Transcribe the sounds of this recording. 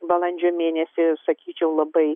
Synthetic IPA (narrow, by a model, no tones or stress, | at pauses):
bɐlˠɐnʲd͡ʒʲoːmʲeːnʲɛsʲɪsɐkʲiːt͡ʃʲɛʊlˠɐbɐɪ